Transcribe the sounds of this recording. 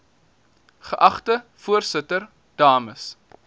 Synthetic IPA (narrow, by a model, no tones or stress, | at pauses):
χəʔɐχtəfuərsətər | d̥ɑːməs